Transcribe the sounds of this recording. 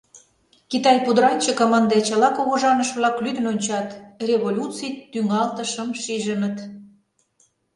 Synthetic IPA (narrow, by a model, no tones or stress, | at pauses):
kit̪ɑjpud̪ɾɑnʲt͡ɕəkomɑnd̪et͡ɕə̆lɑkoɣŏʒɑnəʃβlɑklyd̪ənonʲt͡ɕɑt̪rʲeβolʲut͡sijt̪yŋɑlt̪əʃəmʃiʒənət̪